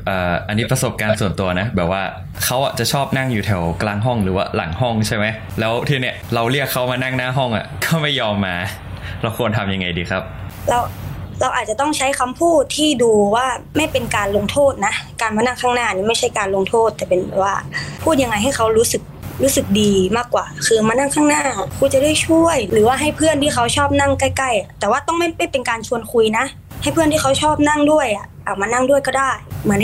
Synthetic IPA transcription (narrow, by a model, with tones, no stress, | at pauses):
ʔɤː˨˩ʔa˧nːiː˦˥pɾa˧so˨˩p̚kaː˧nsu˨˩ənt̪u˧ɐna˦˥bɛː˨˩p̚waː˥˩ | kʰa˦˥wʔa˨˩t͡ɕa˨˩t͡ɕʰɔː˥˩p̚na˥˩ŋjuː˨˩t̪ʰɛ˨˩wklaː˧ŋɦɔ˥˩ŋɾɯː˩˦wa̰ː˥˩la̰˩˦ŋhɔ˥˩ŋt͡ɕʰa˥˩jma˦˥j | lɛː˦˥wt̪ʰiː˧˩ni˦˥˩əɾa˧wli˥˩əkʰːa˦˥wmaː˧na˥˩ŋnaː˥˩ɦɔ˥˩ŋʔa̰˨˩kɔː˥˩ma˥˩jːɔː˧mːaː˧ | ɾa˧wkʰu˧ənt̪ʰa˧mja˧ŋːa˧jdiː˧kʰɾa˦˥p̚ | lɛ˦˥wɾa˧wʔaː˨˩a˨˩t̪ɔ˥˩ŋt͡ɕʰa˦˥jkʰa˧mpʰuː˥˩t̪ʰːiː˥˩duː˧waː˥˩ma˥˩jpe˧nkaː˧nlo˧ŋt̪ʰoː˥˩t̪̚na˦˥kaː˧nmaː˧na˥˩ŋkʰaː˥˩ŋnaː˥˩niː˧˩ma˥˩jt͡ɕʰa˥˩jkaː˧nlo˧ŋt̪ʰoː˥˩t̪ːɛː˨˩pe˧nbɛ̰˨˩waː˧˥˩pʰuː˥˩t̪̚a˧ŋːa˧jɦa˥˩jkʰa˦˥wɾuː˦˥sɯ˨˩k̚ɾuː˦˥sɯ˨˩k̚diː˧maː˥˩kːwaː˨˩kʰɯː˧maː˧na˥˩˨ŋkʰaː˥˩ŋnaː˥˩kʰuː˧˩t͡ɕa˨˩daː˥˩jt͡ɕʰu˥˩əjlɯː˩˦waː˥˩ɦa˥˩jpʰɯ˥˩ənt̪ʰiː˥˩xʰa˦˥wt͡ɕʰɔː˥˩p̚na˥˩ŋka˥˩jka˥˩ja˨˩t̪ɛː˨˩waː˥˩t̪ɔ˥˩ŋma˥˩jma˥˩jpe˧nkaː˧nt͡ɕʰu˧ənkʰu˧jna˧˦˥ʔ | ha˥˩jpʰɯ˥˩ənt̪i˥˩kʰa˦˥wt͡ɕʰɔː˥˩p̚na˥˩˨ŋdu˥˩əjʔa˨˩ʔaː˨˩k̚maː˧na˥˩ŋdu˥˩əjkɔ˥˩daː˥˩jmɯ˩˦ə˦n